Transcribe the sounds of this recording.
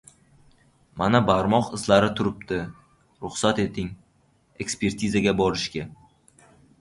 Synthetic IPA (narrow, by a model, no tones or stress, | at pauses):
manabaɾmɒqɪzlaɾɪt̪ʰʊɾɪp̚t̪ɪ | ɾʊχsat̪e̞t̪ʰɪŋ | e̞kspe̞ɾt̪ʰizaɡʲabɒɾɪʃkʲa